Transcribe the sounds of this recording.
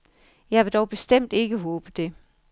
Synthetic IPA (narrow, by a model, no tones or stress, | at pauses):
jɑ̈ɪʋe̝d̥ɒʊb̥e̝sd̥em̰d̥e̝ɡ̥əɦɔːb̥əd̥e̝